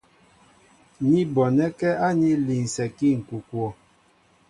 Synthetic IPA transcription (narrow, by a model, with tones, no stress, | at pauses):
ni˦bɔ˨nɛ˦kɛ˦a˦ɲi˦li˨n̩˨sɛ˨ki˦ŋ̩˨ku˨kwɔ˨